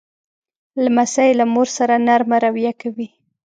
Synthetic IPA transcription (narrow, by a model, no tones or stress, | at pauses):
lamasajlamoɾsaɾanaɾmaɾawijakawi